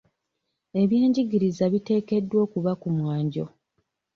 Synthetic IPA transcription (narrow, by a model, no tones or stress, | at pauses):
e̞βje̞ːɲɟiɡiɾizaβite̞ːke̞dːwo̞ːkuβakumwaːɲɟo̞